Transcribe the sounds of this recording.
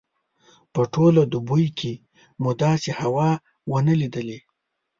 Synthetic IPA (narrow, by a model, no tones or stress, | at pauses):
pəʈʰolad̪ubujkʰe | mud̪ɑsehawɑ | wənəlid̪əle